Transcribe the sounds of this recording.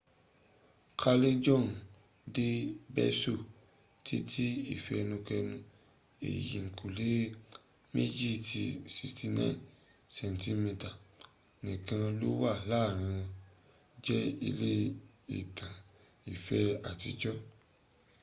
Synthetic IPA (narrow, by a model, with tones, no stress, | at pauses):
kʰa˧le˦d͡ʒɔ̃˦˨n | de˦bɛ̰˦so˦˨ | tʰi˦tʰi˦i˦˨fɛ˧nũ˧kɛ˧nũ˧ | ḛ˨jḭ˨ŋ̩˨kʰu˨le˨˦ | me˦d͡ʒi˦˨tʰi˧si˧sti˧nã̰˦˨n | sɛ̃˨n˨tĩ˦me˧ta˨ | nĩ˨kã˧lo˦wa˦˨laː˦˨ɾ̃ã˧ | d͡ʒɛ˦i˧le˦ | ḭ˦˨tʰã˨ | i˨fɛ˧a˨tḭ˧d͡ʒɔ˦